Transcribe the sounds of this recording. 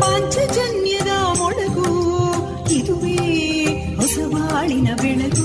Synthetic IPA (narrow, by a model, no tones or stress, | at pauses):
ɐɲt͡ʃɐd͡ʒɐnjɐd̪ɐmɔɭɐɡu | id̪uʋeː | hɔsɐʋaːɭinɐbiɳɐd̪u